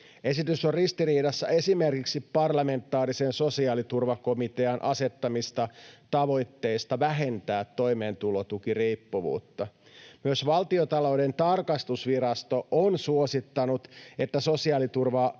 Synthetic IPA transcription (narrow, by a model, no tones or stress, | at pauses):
e̞sit̪ysorrist̪iriːdɑsːɑ̰e̞sime̞rkiksipːɑrlɑme̞nt̪ːˑɑːɾisenso̞siɑːlit̪urʋɑko̞mit̪e̞ɑnʔɑse̞t̪ːɑmist̪ɑt̪ɑʋo̞jt̪ːe̞ist̪ɑʋæɦe̞nt̪æːt̪ːo̞jme̞ːnt̪ulot̪ukiriːpːuʋṵːt̪ːɑ | myøsʋɑlt̪iot̪ɑloude̞nt̪ɑrkɑst̪usʋiɾɑst̪o̞ʔonsuosit̪ːɑnut̪e̞t̪ːæso̞siɑːlit̪urʋɑ